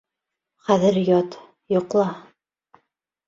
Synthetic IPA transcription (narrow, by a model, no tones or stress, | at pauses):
χæðɘɾjɑt̪ | jŏqlˠɑ